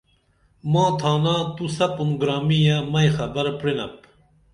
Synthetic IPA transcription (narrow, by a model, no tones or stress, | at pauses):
mãːt̪ʰaːnaːt̪usɐpunɡɾaːmijamɐjxɐbɐɾpɽinɐ̰p̚